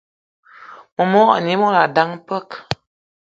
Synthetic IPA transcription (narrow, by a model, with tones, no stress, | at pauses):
mɔ˨mɔ˦˨ni˨˦mɔ˦la˨da˦ŋpə˦k